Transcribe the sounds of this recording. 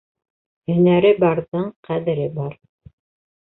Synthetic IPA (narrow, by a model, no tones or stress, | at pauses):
hɵ̆næɾɘbɑɾðɤɴqæðɘ̆ɾɘbɑɾ